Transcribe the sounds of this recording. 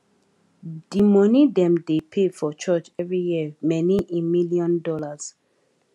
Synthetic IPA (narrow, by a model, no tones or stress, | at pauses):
d̥imɔnidɛ̃mdepʰefɔt͡ʃɔt͡ʃɛvɹijiəmɛniʔemiliɔ̃ndɔlaz̥